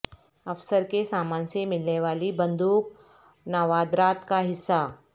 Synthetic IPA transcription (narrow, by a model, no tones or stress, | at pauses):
ɐfsəɾkesaːmaːnsemɪlneʋaːlibɐ̃nd̪uːk | naːʋaːd̪ɾaːt̪kaɦɪsːa